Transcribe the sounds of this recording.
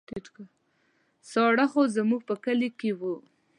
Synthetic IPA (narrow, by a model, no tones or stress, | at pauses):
t̪iʈka | sɑɽaxozamuɡ̚pəkəlikewu